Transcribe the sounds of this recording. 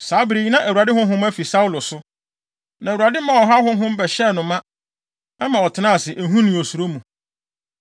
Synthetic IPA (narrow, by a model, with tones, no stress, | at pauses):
saː˨˦bɪ˨ɾi˨ɲ˦nã˦ʔæ˨u˨a˨dɪ˦hʊ̃˦ɦʊ̃˦m˦æ˦fi˨sa˦ʊ˦lʊ˨sʊ˦ | nã˨u˨a˨dɪ˦mã˨wɔ˨ɦa˦ɦʊ̃˦ɦʊ̃˦m̩˦bɛ˨ɕɛ˦˨nʊ̃˨mã˦ | ɛ˦mã˨ɔ˨tʰɪ˨˦nã˦˨sɪ˨ʔæ˨ɦũ˦nĩ˨o˨su˨ɾo˦mũ˨